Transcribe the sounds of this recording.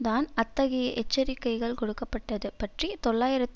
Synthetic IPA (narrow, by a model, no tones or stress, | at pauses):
d̪aːnɐt̪ːɐɣɪjɐʔɛt͡ʃːɐɾɪkːɐɪɣɐɭkɔɽɯkːɐpːɐʈːɐðɯpɐʈrit̪ɔɭːaːjɪɾɐt̪ː